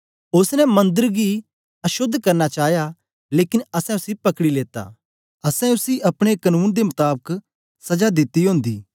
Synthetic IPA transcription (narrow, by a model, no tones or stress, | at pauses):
ʊsnɛmɐ̃nd̪əɾɡi | ɐʃʊd̪ʱːkɐɾnat͡ʃaːɦja | leːkɪnɐsɛ̃ʊsipɐkɽileːt̪a̰ː | ɐsɛ̃ʊsiʔɐpɽ̃ekɐnuːnd̪emʊt̪aːbək | sɐd͡ʒad̪ɪt̪ːiɦõːnd̪ḭː